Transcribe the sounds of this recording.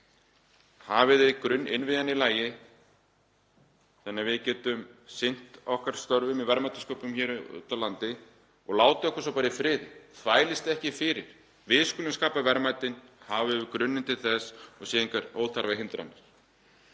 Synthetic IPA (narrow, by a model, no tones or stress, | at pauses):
haːvɪðɪkɾʏnːɪnvɪːðanːɪlaːjɪ | θanːavɪðcɛːt̪ʏmsɪn̥t̪ɔhkaɾ̥st̪œɾvʏmivɛɾmajt̪ɪskoːpʏmçɛːɾʏ̰t̪awlant̪ɪ | ɔɣlaːwt̪ɪɔhkḁsawpaːɾɪfɾɪːðθʰvaːjlɪst̪ɛhcɪfɪɾɪɾ̥ | vɪðskʏlɪnskaːpavɛɾmaːjt̪ɪnhavɪðɪkɾʏnːɪnt̪ɪlθɛsɔɣsɛːiŋkaɾo̰wlθʰaɾvaɦɪnt̪ɾa̰nːɪɾ̥